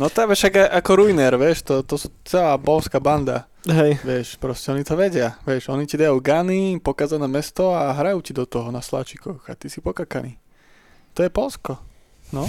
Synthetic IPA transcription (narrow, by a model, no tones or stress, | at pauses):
nɔt̪aʋɛʃaɡaʔakɔɾuinɛɾʋjɛʃt̪ɔt̪ɔsut͡sɛlaːbɔlskaːband̪a̰ | ɦɛjʋɪɛʃpɾɔscɛɔnit̪ɔʋɛɟɪaʋɪɛʃɔnicid̪ajuːɡanipɔkaːzanɛːmɛst̪ɔaɦɾajuːcid̪ɔt̪ɔɦɔnasla̰ːt͡ʃikɔxa̰t̪isipɔkakani | t̪ɔjɛpɔlskɔ | nɔ